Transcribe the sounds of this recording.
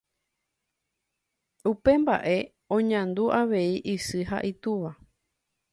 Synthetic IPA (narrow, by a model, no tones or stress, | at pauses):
upe̞mba̰ʔe̞ | õ̞ɲãnd̪uʔaʋe̞iʔɨsɨɦa̰ʔit̪uʋa